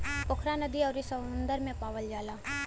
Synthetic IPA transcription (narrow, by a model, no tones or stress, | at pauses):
pʊkʰɾanəd̪iɔːɾisəʊnd̪əɾmẽpaːʋəld͡ʒaːlaː